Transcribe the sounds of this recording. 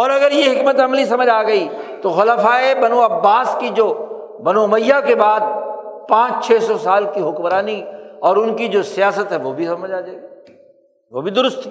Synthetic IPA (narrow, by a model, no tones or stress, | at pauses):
ɔːɾɐɡəɾjeɦɪkmət̪ɐmlisɐməd͡ʒaːɡɐit̪oxʊlafaːebɐnuɐbːaːskid͡ʒoː | bɐnuɐməjːakebaːd̪̚pãːt͡ʃt͡ʃʰɛːsɔsaːlkiɦʊkmɾaːniɔːɾʊnkid͡ʒoːsijaːsət̪ɦɛʋoːbʱisɐməd͡ʒaːd͡ʒaːɡi | ʋoːbʱid̪ʊɾʊst̪i